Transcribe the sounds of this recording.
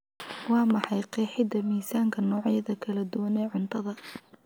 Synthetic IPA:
wɑːmɑħɑjqɛːħɪd̪ɐmiːsaːŋkʰɐnɔːʕjɐðɐkʰɐlɐd̪ʊwɐnɛːʕʊnt̪ʰɐðɐ

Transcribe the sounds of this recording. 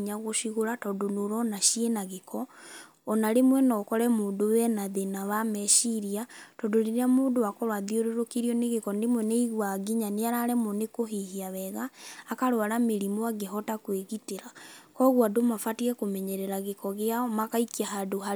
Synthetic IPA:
ɲaɣoʃiɣoɾatɔdonoɾɔnaʃienaɣekɔ | ɔnaɾemwɛnɔkɔɾɛmoːndowɛnaðenaβamɛʃiɾiatɔdoɾeɾeamoːndoakɔɾwaðioɾoɾokiɾiɔneɣekɔnemwɛneiɣwaɡiɲaneaɾaɾɛmɔnekoɦiɦiaβɛɣaːkaɾwaɾameɾimoaɡeɦɔtakweɣiteɾakɔɣwadomafatiɛkomɛɲɛɾɛɾaɣekɔɣeamakaikiaɦadoɦa

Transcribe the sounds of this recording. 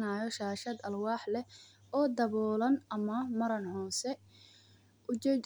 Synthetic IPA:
naːjɔʃaːʃɐd̪ɐlwɑːħlɛ | ɔːd̪ɐβɔːlɐnɐmɐmɐɾɐnhɔːsɛ | ʔʊd͡ʒɛ

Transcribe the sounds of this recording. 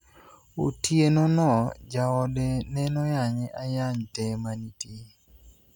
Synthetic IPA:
o̰tijenɔnɔd͡ʒaɔdɛnɛnɔjaɲɪʔajaɲtɛmanitje

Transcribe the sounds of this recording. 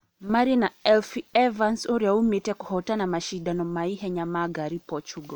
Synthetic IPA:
maɾinaɛlfiɛvansuɾaumitɛkuhɔtanamaʃiɗanɔmaiɦɛɲamaɡaɾipɔt͡ʃuɡɔ

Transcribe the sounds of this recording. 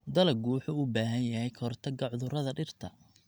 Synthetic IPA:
d̪ɐlɐɡuːħʊʊbaːɦɐnjɐɦɛjkʰɔrt̪ʰɐɡɐʕʊðʊɾɐðɐɖɪrt̪ʰɐ

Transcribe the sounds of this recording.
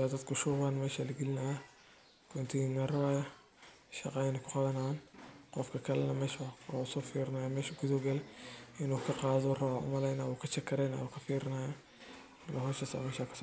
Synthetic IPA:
ad̪ɐd̪kʰʊʃʊwaːnmɛːʃaːlɐɡɛlɪnɐja | kʰɔnt̪ʰɪiːnɐrɐwaːjɐ | ʃɑqɑnɪkʰʊqɑðɐnanqɔfkʰɐkʰɐlɛnɐmɛːʃwsɔːfiːɾɪnaːjamɛːʃɐɡʊðɔɡɐlʔɪnuːkʰɐqɑːðɔrɐwaʔʊ̰mɐlɛjnaːwʊkʰɐt͡ʃɐkʰɐɾɛjna̰ːwuːkʰɐfiːɾɪnaːja | lɐɦɔːʃɐsa̰ːmɛːʃaːkʰɐ̥sɔː

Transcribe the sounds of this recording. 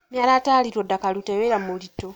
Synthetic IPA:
mjaːlataːliɾodːakaluteβeɾamulito

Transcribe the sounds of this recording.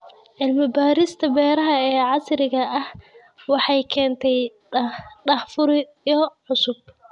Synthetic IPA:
ʕɪlmɪbaːɾɪst̪ʰɐbɛːɾɐɦɐɛːʕɑsɾɪɣɐɐh | wɑħɑjkʰɛːnt̪ʰɛj | ɖɑħfʊɾɪ | ɔʕʊsʊb̚

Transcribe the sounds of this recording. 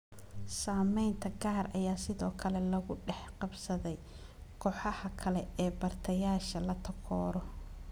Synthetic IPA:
saːmɛjnt̪ʰɐɡaːɾɐjaːsɪðɔːkʰɐlɛlɐɣʊɖɛħqɑbsɐðɛj | kʰɔːħɑhɐkʰɐlɛɛːbɐrt̪ʰɐjaːʃɐlɐt̪ʰɐkʰɔːɾɔ

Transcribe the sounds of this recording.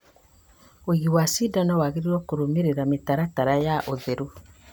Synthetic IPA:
oɣiwasidanawaɣeɾiɾɔkoɾomeɾeɾametaɾataɾajaʔoðeɾo

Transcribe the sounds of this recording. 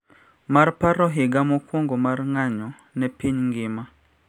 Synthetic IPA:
maɾpaɾɔɦiɡamukoŋɡɔmaɾŋaɲɔ | nɛpiɲŋɡima

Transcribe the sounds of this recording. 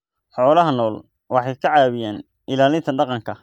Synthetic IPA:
ħɔːlɐɦɐnɔːl | wɑħɑjkʰɐʕɑːβɪjaːn | ʔɪlaːlɪnt̪ʰɐɖɑqɑŋkʰɐ

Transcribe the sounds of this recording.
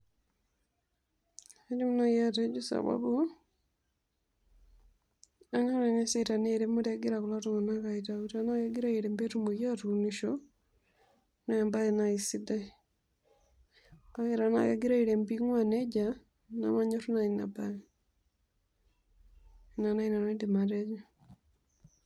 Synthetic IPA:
ed͡ʒumunojated͡ʒusa̰βa̰bu | aŋanaŋesetaneɾemaɾaɡiɾakulatoŋanakaitautanaɣeɡiɾaiɾembetumujatuniʃo | naembaenaisida | aɣeɾana̰ɣḛɡiɾaiɾembiŋwaned͡ʒa | na̰maɲotunainaba | inanainanendimated͡ʒo

